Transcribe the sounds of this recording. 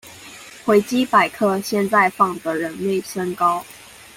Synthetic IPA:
xwe˧˥ɪt͡ɕi˥pa˨˩ɪkʰɤ˥˧ɕjɛ˥˧nt͡sa˥˧ɪfɑ˥˩ŋd̪ə˨˦ɻə˨˦nle˥˩ɪʂə˥ŋkɑ˥ʊ

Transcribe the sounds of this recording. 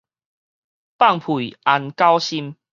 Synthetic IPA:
pa˥˨ŋpʰu˨i˨a˧nka˦wɕi˦m

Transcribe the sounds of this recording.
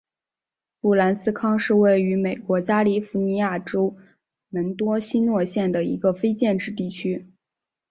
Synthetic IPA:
pu˥˩la˧˥nsɹ̩˥kʰɑ˥ŋʂɻ̩˥˧we˥˩ɪy˧˥me˨˩ɪkwɔ˧˥t͡ɕja˥li˧˩fu˧˥ni˧˥ja˥˩ʈ͡ʂo˥ʊ | mə˧˥nt̪wɔ˥ɕi˥nwɔ˥˧ɕjɛ˥˩nd̪ə˩ḭ˧˥ɡə˧fe˥ɪt͡ɕjɛ˥˧nʈ͡ʂɻ̩˥˧t̪i˥˩t͡ɕʰy˥

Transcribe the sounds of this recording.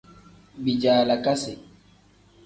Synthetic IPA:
bi˨d͡ʒaː˨la˨ka˦se˨

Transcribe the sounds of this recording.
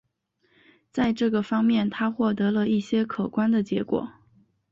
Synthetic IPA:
t͡sa˥˧ɪʈ͡ʂɤ˥˩ɡə˩fɑ˥ŋmjɛ˥˩nt̪ʰa˥xwɔ˥˩t̪ɤ˧˥lə˧i˥˩ɕjɛ˥kʰɤ˨˩kwa˥nd̪ə˨t͡ɕjɛ˧˥kwɔ̰˨˩˦

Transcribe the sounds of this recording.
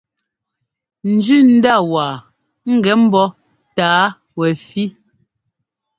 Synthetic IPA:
n̩˨d͡ʒʉ˦˨n̩˦da˦˨waː˨ | ŋ̩˦˨ɡɛ˨˦m̩˦bɔ˦ | taː˨˦ | wɛ˨fi˦

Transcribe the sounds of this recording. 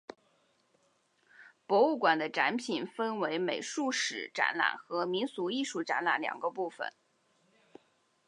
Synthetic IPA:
pwɔ˧˥u˥˩kwa˨˩nd̪ə˦ʈ͡ʂa˧˥npʰi˨˩nfə˥nwe˧˥ɪme˨˩ɪʂu˥˩ʂɻ̩˨˩ʈ͡ʂa̰˧˥nla̰˨˩nxɤ˧˥mi˧˥nsu˧˥i˥˧ʂu˥˩ʈ͡ʂa˧˥nla˧˥nljɑ̰˨˩ŋɡə˦pu˥˩fə̰˨˩n

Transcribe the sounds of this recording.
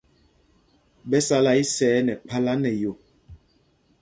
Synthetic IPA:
bɛ˦sa˦la˨i˦sɛː˨˦nɛ˨k͡pa˦la˦nɛ˨jo˨

